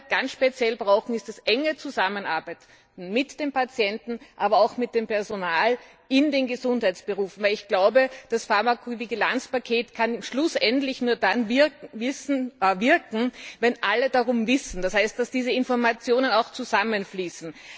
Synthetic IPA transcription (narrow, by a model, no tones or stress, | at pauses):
ɡ̥ansʃpet͡sjɛlbʁaʊxŋ̩ɪstɛsʔɛŋət͡suzamənaɐbæɪt | n̩mɪtd̥eːmpat͡sjɛntn̩ʔaːbɐaʊxmɪt̚d̥eːmpɛɐzonaːl | ʔɪndeːnɡəzʊnthaɪtt͡ssb̥əʁuːfn̩væɛɪlɪçɡ̥laʊbəd̥asfaɐmakʰoviɡilant͡spakʰeːtkʰanʃlʊsʔɛntlɪçnuːɐdanvɪvɪsnvɪɐkŋ̩vɛnʔalədaʁʊmvɪsn̩d̥ashɛɪst̚d̥asd̥iːzəɪnfɔɐmat͡sjoːnənaʊxt͡suzamənfliːsn̩